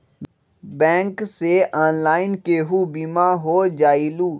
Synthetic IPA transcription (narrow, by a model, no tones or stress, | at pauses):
bɛ̃ːŋkseʔɔːnlaːɪnkeːɦubimaːɦoːd͡ʒaːiluː